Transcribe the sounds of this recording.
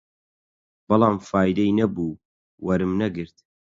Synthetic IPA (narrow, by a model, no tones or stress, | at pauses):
b̥ɨlˠɑːmfaːjd̪ɐinɐbuː | wʔɐɾɨmnɐɡɨɾt̪̚